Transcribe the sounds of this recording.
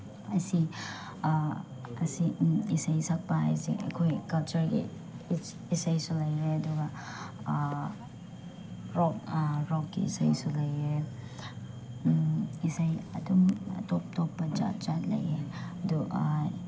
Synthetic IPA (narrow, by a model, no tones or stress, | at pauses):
ɐsi | ɐ̰siisajsɐk̚pɐa̰jzḭɐ̰kʰojkɐlt͡ʃɐɾɡḭ | isajsulɐjɾeɐduɡa | ɾɔk̚ɾɔk̚ɡḭḭsajsulɐje | isajɐ̰dumɐ̰tɔp̚tɔpːɐd͡ʒa̰t͡ʃatlɐ̰jeɐdu